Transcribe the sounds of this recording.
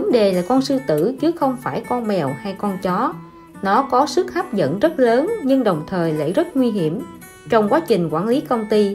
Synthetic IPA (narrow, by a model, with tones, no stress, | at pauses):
ə˨˦ŋɗe˨˩laː˨˩kɔ˧nsɨ˧t̪ɨ̰˧˩t͡ɕɨ˨˦xə˧wŋ͡mfaː˧˩jkɔ˧nmɛ˨˩wha˧jkɔ˧nt͡ɕɔ˨˦ | nɔ˨˦kɔ˨˦sɨ˦˥k̚ha˦˥p̚zə̰˧˥˨nzə˦˥t̚ləː˨˦nɲɨ˧ŋɗə˨˩wŋ͡mt̪ʰəː˨˩jlḛ˧˥zə˦˥t̚ŋwi˧ɦi˧˩əm | t͡ɕɔ˧wŋ͡mkwaː˨˦t͡ɕï˨˩ŋ̟kwaː˧˩nli˨˦kə˧wŋ͡mt̪i˧